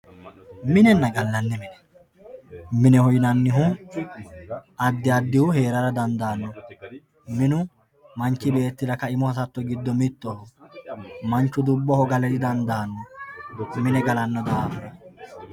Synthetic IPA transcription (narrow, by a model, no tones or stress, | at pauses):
mɪnɛnːɐɡɐlːɐnːɛmɪnɛ | mɪnɛhɔjnɐnːɪɦʊ | ɐd̪ːɪɐd̪ːɪhʊhe̞ːɾɐɾɐd̪ɐnd̪aːnːɔ | mɪnʊ | mɐnt͡ʃːɪbe̞ːt̪ːɪd̪ɐkɐɪmɔhɐsɐt̪ːɔɡɪd̪ːɔmɪt̪ːɔhɔ | mɐnt͡ʃːʊd̪ʊbːɔhɔɡɐlɛd̪ɪd̪ɐnd̪aːnːɔ | mɪnɛɡɐlɐnːɔd̪aːfɐnɐ